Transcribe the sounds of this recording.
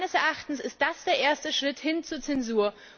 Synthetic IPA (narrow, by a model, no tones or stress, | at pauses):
nəsɛɐʔaχtn̩sɪst̚d̥asd̥eːɐʔeːɐstəʃʁ̥ɪthɪnt͡suːɐt͡sɛnzuːɐ